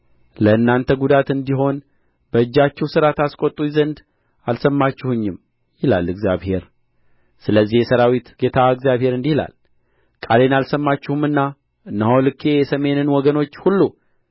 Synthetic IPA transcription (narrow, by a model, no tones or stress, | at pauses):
ləɨnːant̪ʰəɡud̪at̪ɨnd̪iɦo̞n | bəɨd͡ʒːat͡ʃːɛwsɨɾat̪askʷʼot̪ʼːujizənd̪ | alsəmːat͡ʃːɪhɨɲːɪm | jɪla̰lːɨɡzjaβhe̞ɾ | sɨləzːihjɛsəɾawit̪ɡ̥e̞t̪ʰaɨɡzjaβhe̞ɾɨnd̪ihla̰l | kʼale̞nalsəmːat͡ʃːuhumɨnːa | ɨnːəhowlɨkʰːe̞jɛsəme̞nɨnwɔɡəno̞t͡ʃːhulːu